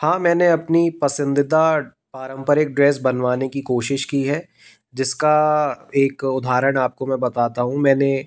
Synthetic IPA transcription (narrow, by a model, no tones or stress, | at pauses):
hãːmɛ̃ːneɐpnipɐsɪ̃nd̪ɪd̪a | paːɾə̃mpəɾɪk̚ɖɾɛːsbɐnʋaːnekikoːʃɪʃkiɦɛː | d͡ʒɪskaeːkʊd̪ʱaːɾəɽ̃aːp̚komɛ̃bɐt̪aːt̪aɦũmɛ̃ːne